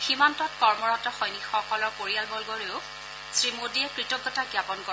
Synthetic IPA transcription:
ximantɔtkɔɹmɔɹɔtɔxɔjnixɔkɔlɔɹkoɹijalbɔlɡoɹeʊ | sɹimodiɛkɹitɔɡːɔtaɡjapɔnkɔ

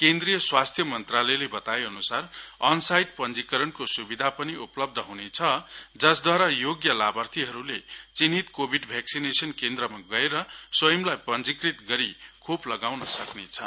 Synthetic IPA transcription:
kend̪rijʌswast̪ʰjʌmʌnt̪ralʌjlebʌt̪ajʌnusarʌnsajʈ̚pʌnd͡zikʌɾʌnkosubid̪ʱapʌniuplʌb̚d̪ʱʌɦunet͡sʰʌd͡zʌsd̪waɾajoɡjʌlabʌrt̪ʰiɦʌɾulet͡sinit̪kobʱiɖbʱjaksinesʌnkend̪rʌmaɡʌeɾʌswʌjʌmlajpʌnd͡zikrit̪ɡʌɾikʰoplʌɡawnʌsʌknet͡sʰʌ

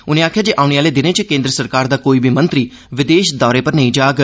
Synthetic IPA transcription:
ʊnẽːaːkʰjaːd͡ʒeːʔaːʊñeːaːleːd̪ɪnẽːt͡ʃkẽːnd̪ɾəsəɾkaːɾd̪aːkoːiːbʱiːmə̃nt̪ɾiː | ʋɪd̪eːʃd̪ɔːɾeːpəɾnəĩːd͡ʒaːɡ

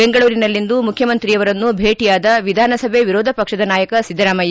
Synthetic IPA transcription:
beŋɡɐɭuːɾinɐlːind̪umukʰjɐmɐnt̪ɾijɐʋɐɾɐnːubʱeːʈijaːd̪ɐʋid̪ʱaːnɐsɐbʱeʋiɾɔːd̪ʱɐpɐkʂɐd̪ɐnaːjɐkɐsid̪ːɐɾaːmɐj

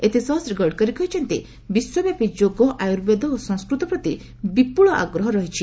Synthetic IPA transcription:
et̪isɔɦsɾeɡɔɽkɔɾikɔɦit͡ʃʰɔnt̪ḭ | biswɔbjapid͡ʒoɡɔʔajuɾbed̪ɔosɔ̃ŋskɾut̪ɔpɾɔt̪i | bipuɭɔʔa̰ɡɾɔɦɔɾɔɦit͡ʃʰi

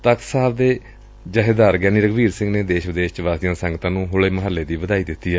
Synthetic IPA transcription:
t̪ək̪saːbd̪eː | d͡ʒaːɦed̪aːɾɡɛːniːɾəɡʋiːɾsɪ̃ŋɡneːd̪eːʃʋəd̪eːʃt͡ʃʋaːsijãːsə̃ŋɡt̪ãːnũːɦʊleːməɦəlːeːd̪iːbəd̪aːiːd̪ɪt̪ːiːɦɛː

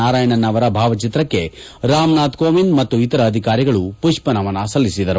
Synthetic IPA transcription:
aːɾaːjɐɳɐnːɐʋɐɾɐbʱaːʋɐt͡ʃit̪ɾɐkːe̞ | ɾaːmnaːt̪koːʋinmɐt̪ːuit̪ɐɾɐːd̪ʱikaːɾiɡɐɭupuʃpɐnɐʋɐnɐsɐlːisid̪ɐɾu

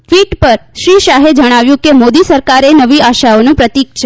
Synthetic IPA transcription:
t̪ʋiʈpəɾʃɾiʃaɦed͡ʒəɽ̃aʋjũkemod̪isəɾkaɾenəʋiaʃaonũpɾət̪ik̚t͡ʃʰe

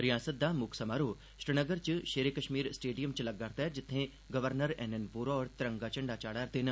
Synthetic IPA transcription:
ɾɪjaːsət̪̚d̪aːmʊkʰsəmaːɾoː | ʃɾɪnəɡəɾt͡ʃʃeːɾeːkəʃmiːɾsʈeːɖijəmt͡ʃləɡːaɾt̪aɦɛd͡ʒɪt̪ʰːẽ | ɡəʋəɾnəɾɛːnɛnpuːɾɔːɾt̪ɪɾə̃ŋɡaːt͡ʃɐɳɖaːt͡ʃaːɽaːɾt̪eːnə

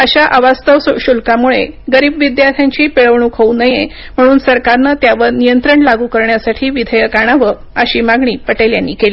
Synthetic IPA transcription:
əɕaʔaʋast̪əʋsɕulkamuɭeɡəɾiːbʋid̪jaɾt̪ʰjaɲt͡ɕiːpeɭəʋɳukʰəunəje | m̤əɽ̃uːnsəɾkaɾnət̪jaʋəɾnijənt̪ɾəɳlaɡuːkəɾɳjasaʈʰiːʋid̪ʱəjəkaɽ̃aʋə | əɕiːmaɡɳiːpəʈeljanːiːkeliː

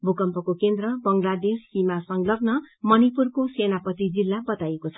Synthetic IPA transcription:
bʱukʌmpʌkokend̪rʌbʌŋɡlad̪esːimasʌŋlʌɡnʌmʌnipurkosenapʌt̪id͡zilːabʌt̪ajekot͡sʰʌ̥

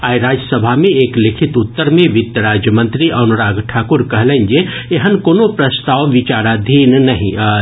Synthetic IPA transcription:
aːiɾaːd͡ʒjəsəbʱamẽeːklɪkʰɪt̪ʊt̪ːəɾmẽʋɪt̪jəɾaːd͡ʒjəmə̃nt̪ɾiʔɐnʊɾaːɡʈʰaːkʊɾkɐɦlẽnd͡ʒe | eɦənkoːnopɾɐst̪aːʋʋɪt͡ʃaːɾad̪ʱiːnnɐɦĩ

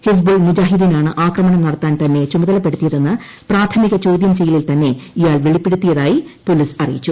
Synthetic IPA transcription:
hes̬bulmud͡ʑaːɦiðinaːɳɨʔaːkrɐmɐɳɐmnɐɽɐt̪ːaːnt̪ɐnːe̞t͡ɕumɐðɐlɐpːe̞ɽut̪ːijɐðe̞nːɨ | praːt̪ʰɐmiɣɐt͡ɕo̞ːd̪jɐmt͡ɕe̞jɐlilt̪ɐnːe̞ijaːlʋeɭipːe̞ɽut̪ːijɐðaːjipo̞lisɐrḭjḭt͡ɕːu

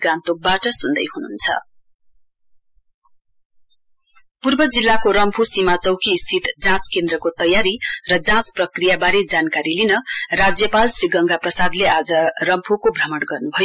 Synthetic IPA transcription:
ɡãnt̪ok̚baʈʌsund̪ʌ̰jɦununt͡sʰʌ̰ | purbʌd͡zilːakoɾʌmpʰusimat͡sʌwkiːst̪ʰit̪d͡zãt͡skend̪rʌkot̪ʌjaɾirʌd͡zãt͡sprʌkrijabaɾed͡zankaɾilinʌrad͡zjʌpalsriɡʌŋɡaprʌsad̪lead͡zʌrʌmpʰukobʱrʌmʌɽɡʌrnubʱʌjo

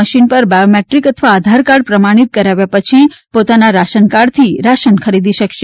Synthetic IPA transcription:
əʃinpəɾbajomeʈɾikət̪ʰʋaːd̪ʱaɾkaɖ̚pɾəmaɽ̃it̪̚kəɾaʋjapət͡ʃʰipot̪anaɾaʃənkaɖt̪ʰiɾaʃənkʰəɾid̪iʃəkʃe

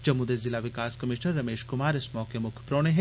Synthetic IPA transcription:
d͡ʒɐmud̪ezɪlaʋɪkaːskɐmɪʃnəɾːɐmeːʃkʊmaːɾɪsmɔːkemʊkʰjpɾoːɽ̃eɦɛ̃

